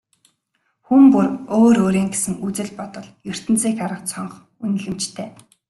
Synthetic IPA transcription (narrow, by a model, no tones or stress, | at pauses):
xumpuroːɾoːɾiːŋɡesɘ̆ŋut͡sɘ̆ɮpɔt̪ɞ̆ɮjɵr̥t̪ɘ̆nt͡siːkaɾə̆qt͡sʰɔɴχ | un̆ɮɘ̆mt͡ɕt̪ʰeː